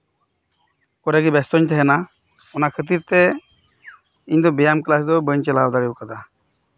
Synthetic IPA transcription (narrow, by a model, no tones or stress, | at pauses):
kɔɾeɡibɛst̪ɔɲt̪ʰɛɦɛna | ɔnakʰət̪̬iɾt̪ɛ | iɲd̪ɔbijamklasd̪ɔbəɲt͡ʃɛlad̪aɾiwkad̪a